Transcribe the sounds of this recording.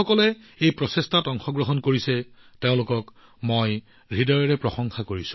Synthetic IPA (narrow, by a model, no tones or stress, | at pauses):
ɔkɔlɛ | ejpɹɔsestatɔŋxɔɡɹɔɦɔnkoɹisɛ | teʊ̃lʊkɔk | moj | ɹidɔɹɔɹɛpɹɔxɔŋxakoɹisʊ̥̃